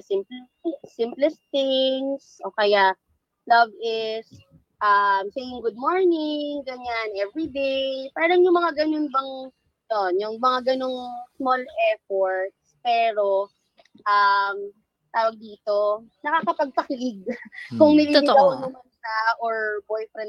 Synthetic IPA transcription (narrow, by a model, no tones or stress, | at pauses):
sɪmpl | sɪmplɛsɪŋsʔoːkɐjaʔ | lɐvɪs | ʔɐmsejɪŋɡʊd̪̚moɹnɪŋɡɐɲanʔɛvɹid̪ejpaːɐɾɐŋjʊŋmɐŋaɡɐnonbɐŋ | noʔonjʊŋmɐŋaɡɐno̞ŋsmolʔɛɹfoɹt̪̚spɛːɾo̞ | ʔɐm | t̪aːwɐɡ̚d̪iːt̪o̞nɐkakɐpɐɡ̚t̪ɐkɪlɪɡ̚kʊŋnɪliawɐnːɐmanʃɐʔoɹbojfɾɛn